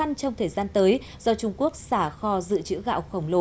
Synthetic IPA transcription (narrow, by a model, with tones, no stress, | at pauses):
a˧ŋt͡ɕɔ˧wŋ͡mt̪ʰəː˨˩jzaː˧nt̪əː˨˦j | z̥ɔ˧t͡ɕʊ˧ŋ͡mku˦˥ək̚saː˧˩xɔ˧zɨ̰˧˨t͡ɕɨ̰˧˥ɣa̰ː˧˨wxə˧˩wŋ͡mlo˧˩